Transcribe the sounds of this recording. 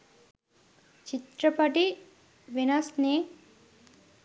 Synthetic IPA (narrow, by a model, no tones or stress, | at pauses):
t͡ʃit̪ɾɐpɐʈi | ʋinɐsne